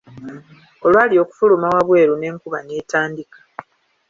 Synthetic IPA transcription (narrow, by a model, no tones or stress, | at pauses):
o̞lwaːlio̞ːku̥fulumawaβwe̞ːɾune̞ːŋkuβaneːtaːndikḁ